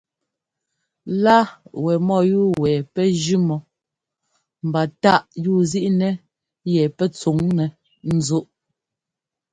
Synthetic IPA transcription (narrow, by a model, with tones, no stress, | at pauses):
la˦wɛ˨mɔ˦˨juː˦˨wɛ˨pɛ˦d͡ʒʉ˦mɔ˨ | m̩˨ba˨ta˦˨ʔjuː˦˨zi˦ʔnɛ˦ | jɛ˨pɛ˦t͡su˨˦ŋnɛ˨ | n̩˨zo˦ʔ